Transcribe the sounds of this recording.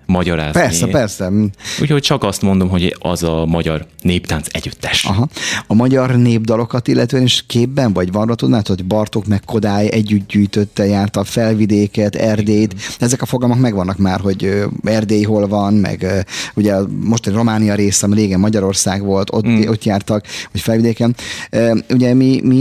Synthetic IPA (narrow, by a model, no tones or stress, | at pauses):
mɒɟɒɾa̰ːzpɛrsɛpɛrsɛṵːchoc̚t͡ʃɒkɒst̪mo̞nd̪o̞mɦo̞ɟɒ̰zɒmɒɟɒr | neːpt̪aːnsɛ̰ɟyt̪ːɛ̥ʃɒɦɒɒmɒɟɒrneːbd̪ɒlo̞kɒt̪ilːʔɛt̪øːɛneʃkeːbːɛɱvɒɟvɒnrɒt̪ud̪maːt̪oɟbɒrt̪okmɛkʰːo̞d̪aːjʔɛɟːyt̪̚ɟyːjt̪øt̪ːɛjaːrt̪ɒfɛlvid̪eːkɛt̪ɛrd̪eːjt̪d̪ɛɛzɛkɒfoɡɒlmo̞kmɛɡvɒnːɒkmaːrɦo̞ɟøɛrd̪eːjɦo̞lvɒnmɛ̰ɡːuɟɛmo̞ʃt̪ɒniro̞maːnijɒɾeːsɛɒmiɾeːɡɛmːɒɟɒɾo̞rsaːɡʋo̞lt̪ot̪ːo̞t̪jaːrt̪ɒkvɒcfɛlvid̪eːkɛnøːuɟɛmimi